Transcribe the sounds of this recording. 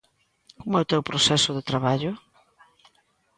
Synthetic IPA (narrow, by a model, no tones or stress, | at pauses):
komʊɛʊt̪ewpɾosɛsʊðɪt̪ɾaβaʎʊ